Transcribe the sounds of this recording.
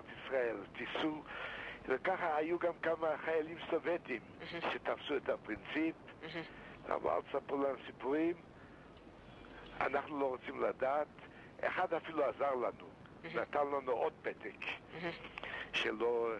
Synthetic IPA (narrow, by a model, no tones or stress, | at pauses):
t̪isʁaelt̪isu | vekaχaajuɡamkamaχajalimsovet̪imʃet̪afsuet̪apʁint͡sip | a̰ma̰a̰t̪sapulanusipuʁim | a̰naχnuloʁot͡simlad̪aːt̪ | ḛχad̪afiluazaʁlanu | nat̪anlanuʔod̪̚pet̪ek | ʃḛlo